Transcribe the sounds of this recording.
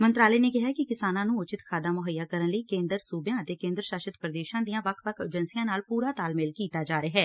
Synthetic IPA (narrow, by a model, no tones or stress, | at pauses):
mənt̪ɾaːleːneːkɪɦaːkɪkɪsaːnãːnũːʊt͡ʃɪt̪kʰaːd̪aːmʊɦəjːaːkəɾənləiːkẽːnd̪əɾsuːbjãːət̪eːkẽːnd̪ɾəʃaːʃət̪pɾəd̪eːʃãːd̪ijãːʋəkʰʋəkʰḛːd͡ʒənsijãːnaːlpuːɾaːt̪aːlmɪːlkiːt̪aːd͡ʒaːɾeːɦɛː